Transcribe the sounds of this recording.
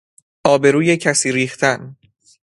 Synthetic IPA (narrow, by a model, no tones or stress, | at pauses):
ʔɒːbe̞ɾuːjecʰæsiːɾiːxt̪ʰæn